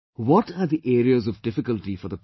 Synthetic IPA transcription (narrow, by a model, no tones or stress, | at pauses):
wɔʈaɾd̪iʔeːɾiəzɔʋɖɪfɪkəlʈifɔɾd̪əp